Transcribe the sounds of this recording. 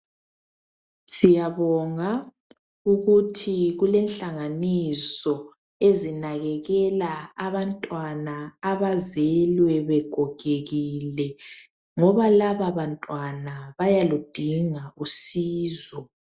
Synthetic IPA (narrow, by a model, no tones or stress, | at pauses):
sijaβɔŋa | uɣutʰiɣulɛnɬaŋanisɔ | ezinaɣɛɣɛlaaβantʼwanaːβazɛlwɛβɛɡ̥ʱɔɡ̥ʱeɣilɛ | ŋɔβalaβaβantʼwanaβajalud̥ʱiŋausiːzɔ